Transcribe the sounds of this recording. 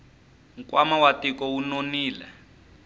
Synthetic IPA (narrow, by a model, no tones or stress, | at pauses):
ŋ̩kwamawatikɔunoniːlɛ̰